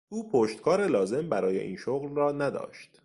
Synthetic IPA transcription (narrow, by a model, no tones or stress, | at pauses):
uːpʰoʃt̪kʰɒːɾelɒːze̞mbæɾɒːje̞̰ʔḭːnʃoɣlrɒːnæd̪ɒ̰ːʃt̪